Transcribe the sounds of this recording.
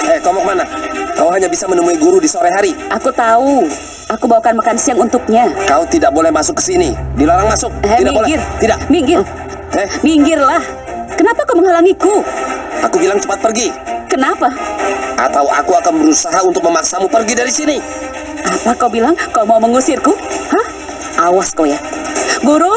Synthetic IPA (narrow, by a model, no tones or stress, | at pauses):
ɛkaumak̚manakauɦaɲabisamənəmuiɡuɾudisoɾaɦaɾiʔakut̪au | ʔakubawakanmakansiaŋunt̪ʊk̚ɲakaut̪idak̚bolɛhmasʊkːə̥sinidiloɾaŋmasʊk̪̚idakbolɛɡɪrt̪idakmiŋɡɪ | ɛhmiŋɡɪrlah | kənapaːkuməŋhalaŋikuʔakubilaŋt͡ʃəpat̪̚pərɡikənapaʔa̰t̪awa̰kuakanbəɾusaɦaunt̪ʊk̚məmaksamupərɡidaɾisini | ʔapakaubilaŋkaumauməŋusɪrkuhəh | ʔawaskojabuɾʊ